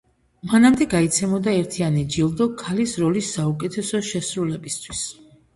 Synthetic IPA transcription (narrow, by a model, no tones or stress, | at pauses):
manamd̪ɛɡait̪sʰɛmɔd̪aɛɾt̪ʰianid͡ʒilˠd̪ɔkʰalisɾɔlisːaukʼɛt̪ʰɛsɔʃɛsɾulɛbist̪ʰwis